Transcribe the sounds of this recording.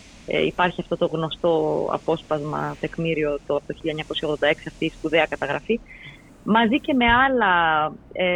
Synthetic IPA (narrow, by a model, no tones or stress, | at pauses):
ipɐɾçiɐft̪o̞t̪o̞ɣno̞st̪o̞ɐ̰po̞spɐzmɐ̰t̪e̞kmiɾio̞t̪oɐpot̪oçiʎɐeɲɐko̞sçɐoɣðo̞nd̪ɐeksiɐft̪iːspuðe̞ɐkɐt̪ɐɣɾɐfi | mɐzice̞me̞ɐlɐ